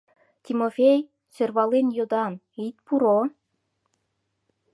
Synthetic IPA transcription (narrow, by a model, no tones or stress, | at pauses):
t̪ʲimofej | sørβɑlenjod̪ɑn | it̪̚puɾo